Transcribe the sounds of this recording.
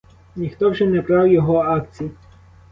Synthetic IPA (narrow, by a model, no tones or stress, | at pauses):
nʲixt̪ɔwʒɛnɛpɾɑwjɔɦɔɑk̚t͡sʲiji